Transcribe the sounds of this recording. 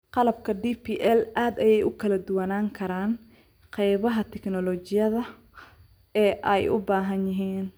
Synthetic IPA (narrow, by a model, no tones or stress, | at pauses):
qɑlɐb̚kʰɐɖiːpʰiːʔɛlʔaːd̪ɐjɛjʊkʰɐlɐd̪ʊwɐnaːŋkʰɐɾaːn | qɛjβɐɦɐt̪ʰɛknɔlɔːt͡ʃɪjɐðɐ | ɛːʔɛjʔʊ̰baːɦɐnjɪɦiːn